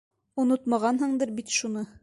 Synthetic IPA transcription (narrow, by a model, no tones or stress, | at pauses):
unot̪mɑʁɑnɦɤɴd̪ɤɾbit̪ʃunɤ